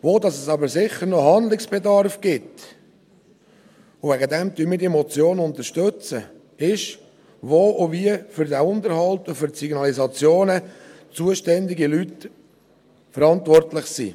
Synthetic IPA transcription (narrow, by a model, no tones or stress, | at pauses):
ʋoːdɑsɛsɑbəɾsɪχəɾnoɦɑnd̪lɪksb̥edɑɾfɡ̥ɪt | ʊvæɡəd̪ɛmt̪yːmiːdiemɔt͡sjoːnʊntəɾʃtøt͡sə̰ | ɪʃ | ʋoːʔoviːəfʏɾdæʊndəɾhɑlt̪ʊfʏɾtsiɡnɑlizɑt͡sjoːnə | t͡suəʃtɛnd̪ɪɡilyt | fəɾɑntvɔrtlɪχsḭː